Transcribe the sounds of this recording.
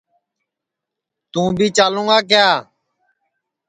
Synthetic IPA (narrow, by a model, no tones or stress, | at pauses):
t̪ũːbiːt͡ʃaːlũːaːk̬ɪjaː